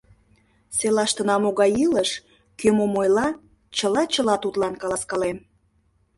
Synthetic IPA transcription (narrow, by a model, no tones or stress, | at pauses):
selɑʃt̪ə̆nɑmoɣɑjiləʃ | kømomojlɑ | t͡ɕəlɑt͡ɕəlɑt̪ut̪lɑnkɑlɑskɑlem